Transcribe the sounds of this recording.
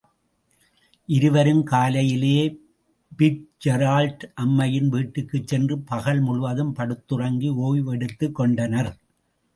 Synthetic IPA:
ʔɪɾɯʋɐɾɯmkaːlɐjɪleː | bɪʈ̚d͡ʒɛɾaːlʈʔɐmːɐjɪnʋiːʈːɯkːɯt͡ʃsɛndrɯpɐɣɐɭmʊɻʊʋɐðɯmpɐɽɯt̪ːɯrɐŋɡioːjʋɛɽɯt̪ːɯkːɔɳɖɐnɐɾ

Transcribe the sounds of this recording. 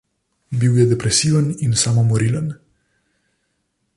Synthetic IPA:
biwjəd̪epɾesivə̃nĩnsamamɔɾilə̃n

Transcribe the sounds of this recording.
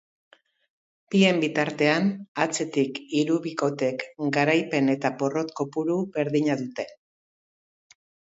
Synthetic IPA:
pie̞mbit̪aɾt̪e̞anat͡se̞t̪ikiɾuβiko̞t̪e̞kɡaɾajpe̞ne̞t̪apo̞ro̞t̪ko̞puɾube̞ɾðiɲaðut̪e̞

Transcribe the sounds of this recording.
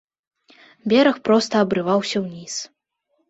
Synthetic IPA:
bʲɛɾɐxpɾɔst̪ɐːbɾɨvawsʲɐwnʲis

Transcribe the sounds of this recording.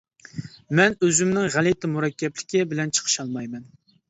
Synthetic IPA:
mɛnøzymnɪŋʁælit̪ʰɪmuɾɛkʲːɛplɪkʲɪbɪlɛnt͡ʃʰə̥qʰə̥ʃɑlˠmɑjmɛn

